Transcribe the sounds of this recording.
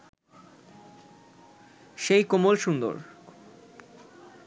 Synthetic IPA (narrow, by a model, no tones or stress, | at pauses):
ʃejkomolʃund̪o̰ɾ